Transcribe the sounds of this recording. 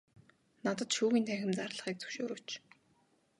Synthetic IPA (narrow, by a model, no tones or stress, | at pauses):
nat̪ə̆t̪ʃuːɣʲiːnt̪ʰæxʲɪ̆mt͡sarɮə̆χiːk̚t͡sɵ̥wʃoːɾoːt͡ɕ